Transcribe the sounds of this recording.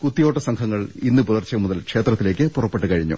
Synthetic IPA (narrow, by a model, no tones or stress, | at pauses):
kut̪ːijo̞ːʈːɐsɐŋkʰɐŋːɐɭinːɨpuðɐrt͡ɕːɐmuðɐlkʂe̞ːt̪rɐt̪ːile̞ːk̬ʲːɨpurɐpːe̞ʈːɨkɐɻiɲːṵ